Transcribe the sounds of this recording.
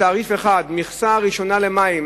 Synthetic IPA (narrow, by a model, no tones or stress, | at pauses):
aːʁifeχad̪miχsaʁiʃo̞nalemaim